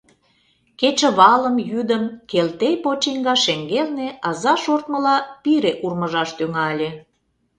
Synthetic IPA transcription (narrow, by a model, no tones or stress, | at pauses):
ket͡ɕə̆βɑləmjyd̪əmkelt̪ejpot͡ɕiŋɡɑʃeŋɡelneɑzɑʃort̪̚məlɑpiɾeʔurməʒɑʃt̪yŋɑlʲe